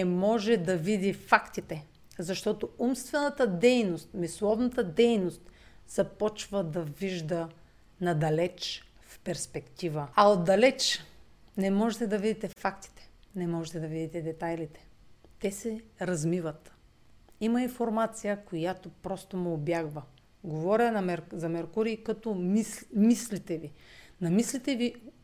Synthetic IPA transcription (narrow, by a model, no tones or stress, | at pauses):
nɛmɔʒɛd̪ɐvid̪ifakt̪it̪ɛ | zɐʃt̪ɔt̪oumst̪vɛnət̪əd̪ɛjnost̪mislˠɔvnɐt̪əd̪ɛjnost̪ | z̥ɐpɔt͡ʃvəd̪ɐviʒd̪ə | nɐd̪ɐlɛt͡ʃ | fpɛɾspɛkt̪ivəɐod̪d̪ɐlɛt͡ʃ | nɛmɔʒɛt̪ɛd̪ɐvid̪it̪ɛfakt̪i̥t̪ɛ̥nɛmɔʒɛt̪ɛd̪ɐvid̪it̪ɛd̪ɛt̪ajlit̪ɛ̥t̪ɛsɛɾɐzmivət̪ | imɐinfoɾmat̪sijəkojat̪opɾɔst̪omɛobjaɡvə | ɡovɔɾʲɐnɐmɛɾzɐmɛɾkuɾikɐt̪ɔmimislit̪ɛvinɐmislit̪ɛvi